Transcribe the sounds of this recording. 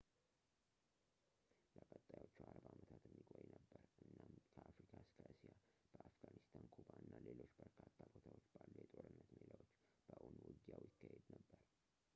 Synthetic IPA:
ləkʼət̪ʼːajot͡ʃːuaɾbaamət̪ʰat̪jɛmːikʼojnəbːəɾʔɨnːamkʰəafɾikʰaskʰaʔɨsijab̥əʔafɡanist̪ʰankʰubaɨnːalelo̞t͡ʃːbəɾkʰat̪ʰːabot̪ʰawot͡ʃːbalːəjɛt̪ʼo̞ɾɨnːət̪melawot͡ʃːb̥əʔonwɨɡjawjɪkːahed̪nəbːəɾ

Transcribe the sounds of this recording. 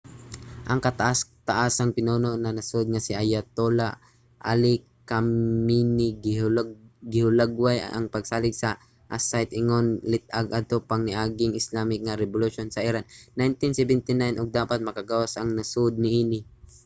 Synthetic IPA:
ʔɐŋkɐt̪aʔast̪aʔasɐŋpɪnoːnonɐnɐsod̪̚ŋasɪʔajat̪ola | ʔa̰lɪkaminɪɡ | ɡɪhʊlaɡwaj̰ʔɐ̰ŋpɐɡsaːlɪɡsɐ | ʔasajt̪ɪŋonlɪt̪̚ʔaɡʔad̪̚t̪opaŋnɪʔaːɡɪŋɪslaːmɪk̚ŋaɾɛbʊluʃonsɐʔɪɾannːajnt̪ɪnsɛbɛnt̪ɪnajnʔʊɡ̚d̪aːpat̪̚mɐkaɡawasɐŋnasod̪̚nɪʔiːnɪ

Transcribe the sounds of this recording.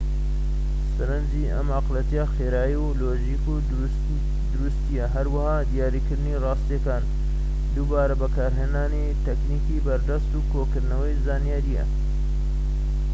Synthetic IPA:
sɐɾɐnd͡ʒiʔɐ̰maqlɐt̪ijaxeːɾaːjiwloːʒiːku | d̪ʊɾust̪ijɐɦɐɾwɐhaːd̪ijaːɾiːkɨɾd̪ɨnirɑːst̪jekaːn | d̪ubaːɾɐbɐkaːɾɦeːnaːni | t̪ʰɛkniːkibɐɾd̪ɐst̪uːkʰokɨɾnɐwɐjzaːnijaːɾijɐ̰

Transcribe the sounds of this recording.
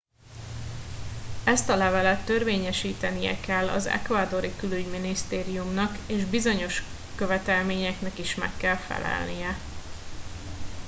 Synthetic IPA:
ɛst̪ɒlɛvɛlɛt̪ːø̞rveːɲɛʃiːt̪ɛnijɛ̰kɛlːɒ̰zɛ̰kvaːd̪o̞ɾikylyɟminist̪eːɾijumnɒkeːʒbizo̞ɲo̞ʃ | kø̞vɛt̪ɛlmeːɲɛknɛkiʃmɛ̰kːɛlfɛ̰lɛ̰lnijɛ

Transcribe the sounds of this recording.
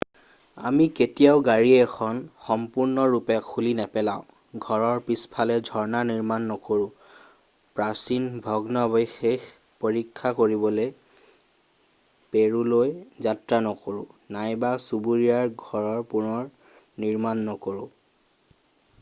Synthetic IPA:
a̰miketijaʊɡaɹiɛxʰɔnxɔmpuɹnɔɹupɛkʰulinɛpɛlaʊ̃ | ɡʱɔɹɔɹpispʰalɛdʱɔɹnaniɹmanːɔkoɹʊ̃ | pɹasinbʱɔɡnɔbɔjxex | poɹikʰːakoɹibɔle | peɹulojzatɹanɔkoɹʊ̰̃najbasubuɹijaɹɡʱɔɹɔɹpunɔɹ | niɹmanːɔkoɹʊ̃

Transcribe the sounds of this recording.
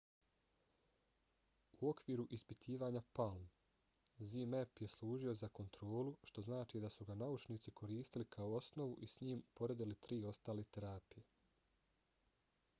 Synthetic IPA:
uo̞kʋiːɾuʔispit̪ʰiːʋaːɲapalm | zimepje̞slˠuːʒio̞zako̞nt̪ɾo̞ːluʃt̪o̞znaːt͡ʃiːd̪asuɡanaut͡ʃniːt̪sikʰo̞ɾiːst̪ilikʰaoosno̞ʋuʔisɲiːmpo̞ɾe̞d̪ilit̪ɾiːo̞st̪aːlet̪e̞ɾaːpije̞

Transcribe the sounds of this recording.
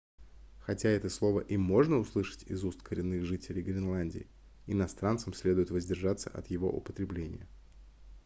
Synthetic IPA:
xɐtʲaɛt̪əslˠo̞vəʔimo̞ʐnəʊslˠɨʂə̥tʲɪzust̪kʰəɾʲɪnːɨxʐɨtʲɪlʲɪjɡɾʲɪnlˠanʲdʲɪ̰ɪ | ɪnɐst̪ɾant̪səmsʲlʲe̞d̪ʊjɪt̪vəzʲdʲɪrʐat̪səʔɐ̰t̪jɪvo̞̰ʔʊ̰pət̪ɾʲɪblʲenʲɪ̰jə

